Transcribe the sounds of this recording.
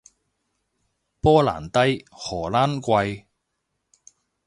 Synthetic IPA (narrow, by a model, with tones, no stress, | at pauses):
pɔː˥la̰ː˨˩nt̪ɐ˥jhɔː˨˩laː˥nkʷɐ˧j